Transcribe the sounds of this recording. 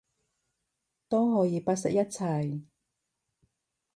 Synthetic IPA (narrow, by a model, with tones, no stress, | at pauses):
t̪ɔː˥ɦɔː˨˧˥jiː˨˧paː˥t̚sɛ˨k̚jɐ˥t̚t͡sʰɐ˧˩j